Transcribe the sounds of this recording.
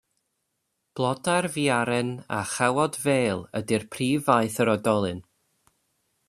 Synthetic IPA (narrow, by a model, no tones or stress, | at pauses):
b̥lˠɔdarviaɾɛna̰χawɔdveːlˠədirpʰriːvajθəɾɔdɔlˠɨn